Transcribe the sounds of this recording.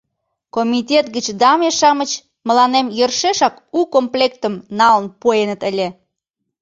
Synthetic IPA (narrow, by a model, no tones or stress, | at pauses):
komit̪ʲet̪ɡət͡ɕd̪ɑmeʃɑmət͡ɕ | məlɑnemjərʃeʃɑkukomplʲekt̪əmnɑlənpoenət̪əlʲe